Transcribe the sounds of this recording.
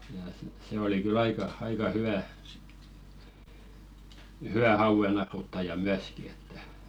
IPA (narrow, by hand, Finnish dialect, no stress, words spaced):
jɑ sit se oli kyl ɑikɑ ɑikɑ hyw̆æ huw̆æ hɑuʋ̆enɑrutːɑjɑ myæski etːæ